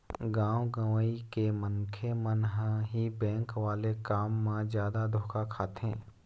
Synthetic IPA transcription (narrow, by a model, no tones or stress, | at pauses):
ɡãːwɡaːʋaikemənkʰemənɦaɦibɛ̃ːŋkʋaːlekaːmːãzjaːd̪ad̪ʱoːkʰakʰaːt̪ɦɛ̰̃ː